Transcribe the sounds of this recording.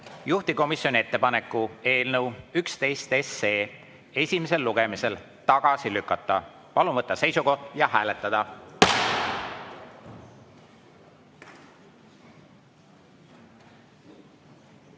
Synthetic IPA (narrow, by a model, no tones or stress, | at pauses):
juht̪iko̞misjo̞nie̞t̪ːe̞pɑne̞kˑːue̞ːlnəwykst̪e̞jst̪e̞se̞ː | e̞sʲime̞s̬e̞lːuɡ̥e̞mise̞l | t̪ɑɡ̥ɑsilykːˑɑt̪ːˑɑ | pɑlumɤt̪ˑːɑse̞jsuko̞ht̪jɑhæːle̞t̪ːˑɑd̪̥ɑ